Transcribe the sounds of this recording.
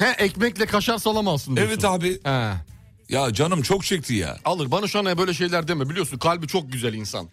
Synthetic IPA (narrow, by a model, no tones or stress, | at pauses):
hɛʔɛcmɛclʲɛkʰaʃaɾsalˠamazsɯnɛvɛt̪ʰabihɛ | jad͡ʒanɯmt͡ʃʰok̚t͡ʃʰɛc̚t̪ʰija̰ːalˠɯɾbanaʃuanajabø̞jlʲɛʃ̬e̞jlʲæɾd̪emɛbilʲijo̞sunkʰalʲbit͡ʃʰok̚ɟyzælʲinsa̰n